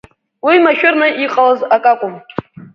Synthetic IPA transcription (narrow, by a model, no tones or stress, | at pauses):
wimaʃᶣʊrnɨʔiqʼalazakʼakʷʼʊm